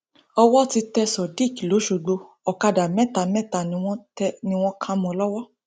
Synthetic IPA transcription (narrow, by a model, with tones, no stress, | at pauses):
ɔ˧wɔ˦ti˧tɛ˧sɔ˨di˦˨ki˨lo˨˦ʃo˨˧ɡ͡bo˧ | ɔ˨ka˧da˨mɛ̃˦˨ta˨mɛ̃˦ta˨nĩ˧w̃ɔ̃˦nĩ˧w̃ɔ̃˦kʰã˧mɔ̃˧lɔ˦wɔ˦